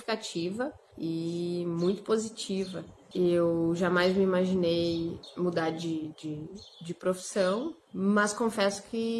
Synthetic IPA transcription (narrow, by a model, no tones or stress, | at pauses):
fi̥kat͡ʃivɐ | ɪmũj̃t̪ʊ̥pozit͡ʃivɐ | ewʒamajzmɪimaʒinejmud̪aɾd͡ʒɪd͡ʒɪd͡ʒɪpɾofi̥sɐ̃w̃ | mɐskõfɛsʊ̥kɪ